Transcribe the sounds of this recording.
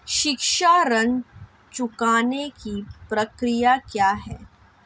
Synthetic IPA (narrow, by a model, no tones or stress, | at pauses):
ʃɪkʃaɾən | t͡ʃʊkaːnekipɾɐkɾijakjaːɦɛː